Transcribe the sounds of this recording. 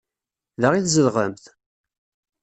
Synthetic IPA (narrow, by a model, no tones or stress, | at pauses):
ðəʁiθzəlʁəmθ